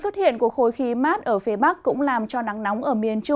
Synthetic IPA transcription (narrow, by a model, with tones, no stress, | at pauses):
swə˦˥t̚hḭ˧˨ənku˧˩əkxo˧jxi˧maː˦˥t̚ʔəː˧˩fi˨˦ɓa˦˥k̚kːʊ̰˧˥ŋ͡mlaː˨˩mt͡ɕɔ˧na˨˦ŋna˨˦wŋ͡mʔəː˧˩mi˨˩ənt͡ɕʊ˧